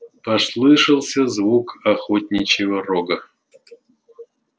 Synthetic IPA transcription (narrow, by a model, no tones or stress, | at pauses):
pɐslˠɨʂɨlˠsʲɐzvukaxotʲnʲɪt͡ɕɪvəroɡə